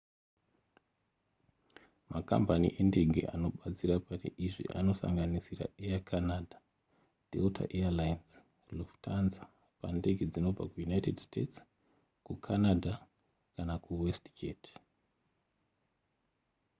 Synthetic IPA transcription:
maka̰mbanḭʔe̞nde̞ɡʱe̞̰ʔano̞ɓat͡sirapatḭʔiʐḭʔa̰no̞sa̰ŋɡanisira̰eakʰanadʱa | d̥ʱḛltʰa̰ʔealajnz | loftʰanza | pa̰nde̞ɡʱe̞d͡zino̞b͡va̰kujunaite̞dstets | kukʰanadʱa | kanakuwestkʰeːt

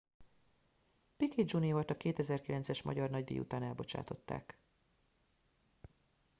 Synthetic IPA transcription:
piked͡ʒuniolt̪ɒkeːt̪ɛzɛrkilɛnt̪sɛʃmɒ̰ɟɒrnɒɟd̪ḛːṵt̪aːnɛlbo̞t͡ʃa̰ːt̪o̞t̪ːa̰ːk

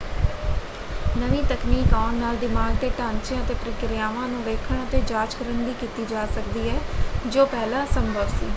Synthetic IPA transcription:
nəʋiːt̪əkniːkaːnnaːlɖɪmaːɡ̚d̪eːʈãːnt͡ʃɪjãːət̪eːpɾɪkɪɾjaːʋãːnũːʋeːkʰəɳət̪eːd͡ʒaːd͡ʒkəɾənd̪iːkiːt̪iːd͡ʒaːsək̚d̪iːɛːd͡ʒoːpɛːlãːsəmbʱəʋsḭː

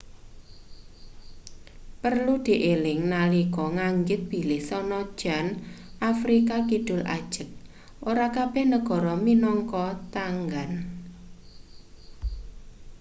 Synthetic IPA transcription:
pərlud̪̥i̤ʔelɪŋnalikɔŋaŋɡɪt̪̚b̥i̤lɪhsɔnɔ̥ʒ̥anʔafɾikakiɖ̥ʊ̤lʔa̰d̥ʒ̥ə̤k̚ | ʔoɾakab̥ɛhnəɡ̥ɔ̤ɾɔminɔŋkɔt̪aŋɡan

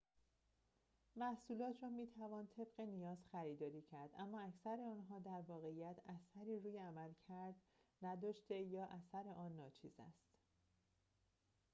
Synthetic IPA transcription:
mæhsuːlɒːt̪ʰrɒːmiːt̪ʰævɒːnt̪ʰe̞bɢe̞nijɒːz̥xæɾiːd̪ɒːɾiːcʰæɾd̪ʔæmːɒːæcʰsæɾe̞ɒːnɦɒːd̪æɾvɒːɣe̞ijæt̪ʰæsæɾiːruːjeæmælcʰæɾd̪ | næd̪ɒːʃt̪e̞jɒːʔæsæɾeʔɒːnːɒːt͡ʃʰḭːzæ̰st̪

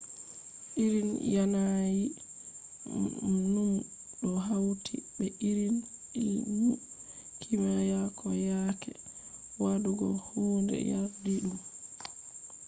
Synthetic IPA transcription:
ʔiɾinjanaji | num | ɗɔɦawtʰḭɓɛʔiɾiniwu | kʰimajakʰɔjaːkɛ̰waduɡɔ̰hoːndɛ̰jadiɗum

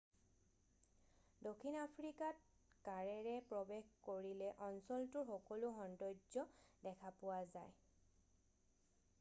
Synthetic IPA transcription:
dokʰːinapʰɹikat̚ | kaɹɛɹɛpɹɔbexkoɹilɛʔɔnsɔltʊɹxɔkɔlʊxɔndɔjd͡ʒɔdɛkʰapʊwazaj

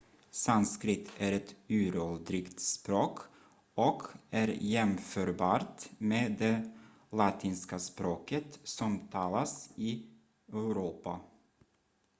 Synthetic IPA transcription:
sanskɾɪt̪ʰːæɾɛt̪ʉ̟ːɾɔld̪ɾɪkt̪spɾoːk | ɔkʰæɾjɛmfœːɾbɑːɾt̪meːd̪ɛ | lɑt̪ʰiːnskaspɾoːkət̪sɔmt̪ʰɑːlasɪ | œʉɾuːpa

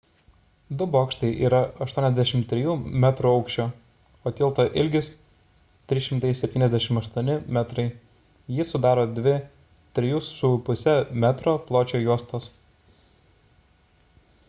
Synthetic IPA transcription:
d̪ʊboːkʃt̪ɐɪʔiːɾɐɐʃt̪uɔnʲɛzʲd̪ʲæʃʲɪmt̪ʲɾʲɪjuːmʲæt̪ɾuːɒʊkʃʲt͡ʃʲoː | oːt̪ʲiːlˠt̪oːʔɪlʲɡʲɪs | t̪ʲɾʲɪʃʲɪmt̪ɐɪsʲɛp̪ʲiːnɛzd̪ʲæʃʲɪmɐʃt̪uɔnʲɪmʲæt̪ɾɐɪ | jɪsʊd̪ɑːɾoːd̪ʲʋʲɪ | t̪ʲɾʲɪjussʊpʊsʲɛmʲæt̪ɾoːplˠoːt͡ʃʲoːjuɔst̪oːs

